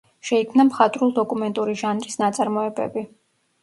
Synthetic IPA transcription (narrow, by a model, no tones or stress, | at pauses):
ʃɛikʰmnamχat̪ʼɾulˠd̪ɔkʼumɛnt̪ʼuɾiʒanɾisnat̪sʼaɾmɔɛbɛ̰bi